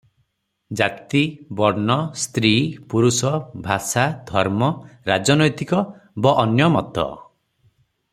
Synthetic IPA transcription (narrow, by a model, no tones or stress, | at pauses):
d͡ʒakt̪ibɔɾnɔst̪ɾiːpuɾusɔbʱasad̪ʱɔɾmɔɾad͡ʒɔnɔjt̪ikɔbɔʔːnjɔmɔt̪ɔ̰